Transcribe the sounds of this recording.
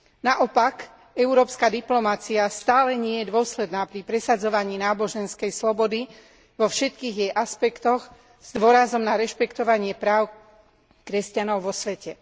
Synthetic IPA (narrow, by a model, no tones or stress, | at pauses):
naʔɔpak | ɛʊɾɔːpskaːd̪iplɔmat͡siast̪aːlɛɲɪɛjɛd̪ʊɔslɛd̪naːpɾipɾɛsad͡zɔʋaɲiːnaːbɔʒɛnskɛjslɔbɔd̪i | ʋɔfʃɛt̪kiːɣjɛjʔaspɛkt̪ɔɣ | z̥d̪ʋʊɔɾazɔmnaɾɛʃpɛkt̪ɔʋaɲɪɛpɾaːʊ | kɾɛscanɔʊʋɔsʋɛcɛ